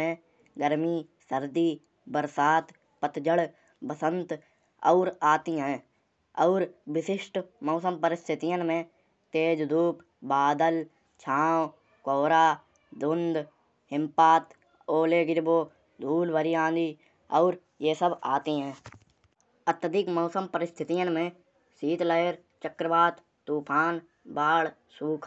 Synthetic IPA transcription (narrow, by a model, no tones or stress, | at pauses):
ẽː | ɡəɾmiː | səɾd̪iː | bəɾsaːt̪ | pət̪d͡ʒəɽ | bəsə̃nt̪ | ɔʊɾaːt̪iːɦɛ̃ː | ɔʊɾʋɪsɪʃʈmɔːsəmpəɾɪst̪ʰɪt̪ɪjənmẽː | t̪eːd͡ʒd̪uːp | baːd̪əl | t͡ʃʰãːw | koːɾaː | d̪ʊnd̪ | ɦɪ̃mpaːt̪ | oːleːɡɪɾboː | d̪ʱuːlbəɾijãːd̪iː | ɔːɾ | jeːsəbaːt̪iɦɛ̃ː | ət̪əd̪ɪkmɔːsəmpəɾɪst̪ʰɪt̪ijənmẽ | siːt̪ləjəɾ | t͡ʃəkɾəbaːt̪ | t̪ːuːpʰaːn | baːɽ | suːkʰ